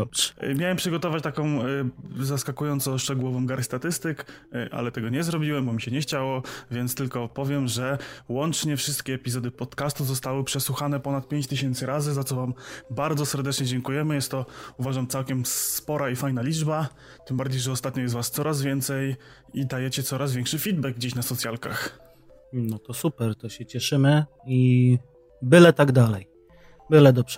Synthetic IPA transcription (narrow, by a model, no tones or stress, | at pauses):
mʲjawɛmpʂɨɡɔt̪ɔvat͡ɕt̪akɔ̃w̃zaskakujɔnt̪sɔ̃w̃ʂt͡ʂɛɡuwɔvɔ̃w̃ɡaɾst̪at̪ɘst̪ɘk | ʔa̰lɛt̪ɛɡɔɲɛzɾɔbʲiwɛmbɔmʲiɕɛɲɛxt͡ɕawɔvʲjɛnt̪st̪ɘlkɔpɔvʲjɛmʐɛwɔnt͡ʂɲɛfʂɘst̪kʲɛːpʲizɔd̪ɘpɔt̪kast̪uzɔst̪awɘpʂɛswuxanɛpɔnat̪̚pʲjeɲt͡ɕt̪ɘɕɛnt̪sɘɾazɘzat̪sɔvambaɾd̪zɔsɛɾd̪ɛt͡ʂɲɛd͡ʑɛŋkujɛmɘjɛst̪ːɔuvaʐamt̪sawkʲɛmspɔɾaifajnalʲid͡ʐba | t̪ɘmbaɾd͡ʑejʐɛɔst̪at̪̚ɲɔjɛst̪vast̪sɔɾʔazvʲjɛnt̪sɛj | id̪ajɛt͡ɕɛt̪sɔɾazvʲɛŋkʂɘfʲid̪bɛɡ̚ɡd͡ʑeɕnasɔt̪sʲjalka̰x | nɔt̪ɔsupɛɾt̪ɔɕɛt͡ɕɛʂɘmɘ | i | bɘlɛt̪aɡd̪alɛj | bɘlɛd̪ɔbʐ̥ɛ